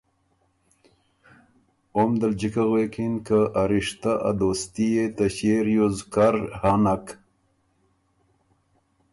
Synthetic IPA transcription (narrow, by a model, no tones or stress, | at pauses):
omd̪əld͡ʒikaɣwekinkəʔaɾiʂt̪aʔa̰d̪ost̪ijet̪aɕeɾjuzkaɾhanak